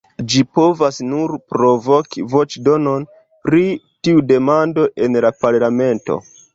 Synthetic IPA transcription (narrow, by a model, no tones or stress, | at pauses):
d͡ʒipo̞vasnuɾpɾo̞vo̞kivo̞t͡ʃdo̞no̞n | pɾi | tiude̞mando̞ʔe̞nlapaɾlame̞nto̞̰